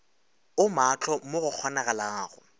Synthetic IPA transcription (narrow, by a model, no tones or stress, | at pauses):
ʊmat͡ɬʰɔmoɣʊk͡xʰɔnaɣalaːɣʊ̰